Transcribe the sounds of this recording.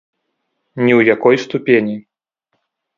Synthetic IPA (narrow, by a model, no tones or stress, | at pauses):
nʲɛwjakɔjst̪upʲenʲi